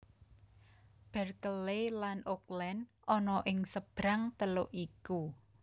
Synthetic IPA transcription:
b̥ɛrkəlelanʔok̚lɛn | ʔɔnɔʔɪŋsəb̥ɾaŋt̪əlʊʔiku

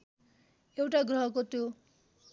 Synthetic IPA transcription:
ewʈaɡrʌɦʌkot̪jo

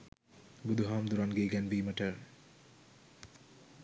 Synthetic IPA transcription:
bud̪ʱuɦaːmd̪uɾanɡeːɡænbiːməʈəɾ

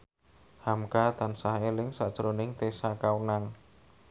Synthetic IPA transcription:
hamkad̪ansaɦelɪŋsa̰ʔd̥ʒ̥əɾonɪŋt̪esakaunaŋ

